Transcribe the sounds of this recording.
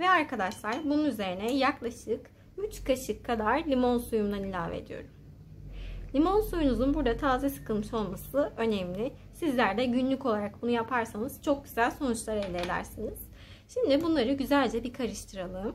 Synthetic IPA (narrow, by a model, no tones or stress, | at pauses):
vɛaɾkad̪aʃlˠaɾbununyze̞ɾinɛjaklˠaʃɯk | yt͡ʃkʰaʃɯkʰːad̪aɾlʲimo̞nsujumd̪anilʲaːvḛd̪ijo̞̰ɾum | lʲimo̞nsujunuzunbuɾd̪at̪ʰaːzɛsɯ̥kʰɯlˠmɯʃo̞lˠmasɯʔø̞nɛmlʲɪ | sizlʲæɾd̪ɛɟynlʲyco̞lˠaɾak̚bunujapʰaɾsanɯz̥t͡ʃʰo̞k̚ɟyz̥ælʲso̞nut͡ʃlˠaɾelʲɛeːlʲæ̰ɾsiniz̥ | ʃimd̪ibunlˠaɾɯɟyzælʲd͡ʒɛbikʰaɾɯʃt̪ʰɯɾalˠɯːm